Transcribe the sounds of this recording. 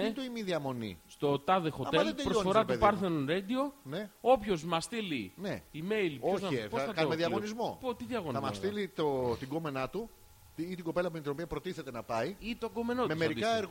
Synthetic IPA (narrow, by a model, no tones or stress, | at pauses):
t̪oimiðiɐmo̞nḭst̪o̞t̪ɐðexoɐmeld̪pɾofoɾɐtupɐɾθenonɾed̪io̞neo̞pço̞zmɐst̪ilineime̞jlçoozepoθɐtɐmeðiɐɣonizmopot̪iðiɐɣonɐmɐst̪ilit̪ot̪iɡome̞nɐt̪u | t̪iit̪iɡope̞lɐp̬umt̪ino̞piɐpɾo̞t̪iθe̞t̪e̞nɐpɐiit̪oɡo̞me̞notmeismeɾid̪ikɐeɾɣ